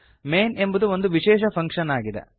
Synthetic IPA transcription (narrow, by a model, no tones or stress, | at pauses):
me̞ːne̞mbud̪uo̞nd̪uʋiʃɛːʃ̬ɐpʰɐŋkʂɐnaːɡid̪ḛ